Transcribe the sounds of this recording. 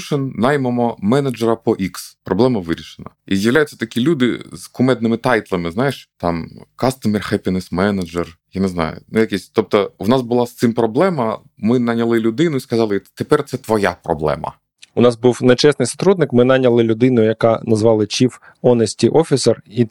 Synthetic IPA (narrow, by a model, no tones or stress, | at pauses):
ʃɪnnɑjmemɔmɛnɐd͡ʒeɾɐpɔʔikspɾɔblˠɛmɐʋɪɾʲiʃenɐ̰izjɐʋlʲajʊt͡sʲːɐ̥t̪ɐkʲilʲud̪ɪ̰z̥kʊmɛd̪nɪmɪt̪ɑjt̪lˠɐmɪznɑjeʃt̪ɑmkɑst̪ɐmerxɛpʲinɛsmɛnɐd͡ʒerjaneznɑ̰jʊ̰nʊjɐkʲisʲt̪ɔp̚t̪ɔʋwnɑsbʊlˠɑst̪ɪmpɾɔblˠɛmɐ | mɪnɐnʲɐlˠɪlʲʊd̪ɪnʊiskɐzɑlˠɪt̪epɛrt̪sɛt̪ʋɔjapɾɔ̰blˠɛ̰mɐ̰ | ʊnɑzbuwnet͡ʃɛsnɪjsɐ̥t̪ɾud̪nɪkmɪnɑnʲɐlˠɪlʲʊd̪ɪnʊjɐkɑnɐzʋɑlˠɪt͡ʃif | ɔnesʲtʲiʔɔfʲiseri